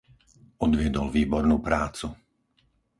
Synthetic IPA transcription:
ɔd̪ʋɪɛd̪ɔlʋiːbɔɾnuːpɾaːt͡su

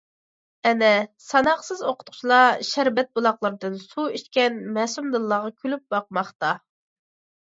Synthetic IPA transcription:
ɛnɛsɑnɑχsɨzoqʰʊ̥t̪qʰʊ̥t͡ʃlˠɑʃæɾbɛt̪̚bulˠɑχlˠəɾɨd̪ɨnsuiʃt̪kʲɛnmɛsumd̪ɨlˠːɑːʁɑkʲʰylyp̚bɑq̚mɑχt̪ɑ

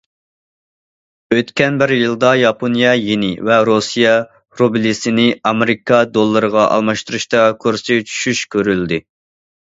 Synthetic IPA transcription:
øt̪kʲɛnbɪɾjɨlˠd̪ɑjɑponijɑjenɪvɛɾosijɑ | ɾobɪlɪsɪnɪɑmɪɾikʰɑd̪olˠːɨɾəʁɑʔɑ̰lˠmɑʃt̪uɾuʃt̪ɑkʰoɾsɪt͡ʃʰy̥ʃyʃkʲʰøɾyld̪ɪ

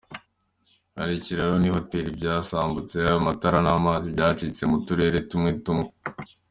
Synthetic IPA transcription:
ha̰ɾiciɾaɾoniho̞te̞ːɾibɟaːsaːmbut͡se̞ajomataɾanaːmaːzibjaːt͡ʃit͡se̞mutuɾe̞ːɾe̞tumŋetumŋe

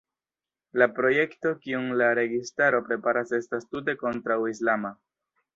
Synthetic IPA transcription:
lapɾo̞je̞kto̞kiuŋlaɾe̞ɡistaɾo̞pɾe̞paɾase̞stastute̞ko̞ntɾawislama

